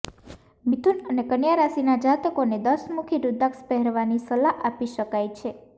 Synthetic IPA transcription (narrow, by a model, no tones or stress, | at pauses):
mit̪ʰunənekənjaɾasinad͡ʒat̪əkoned̪əsmukʰiɾud̪ʱakspɛɦɛɾʋanisəlaʔapiʃəkajt͡ʃʰe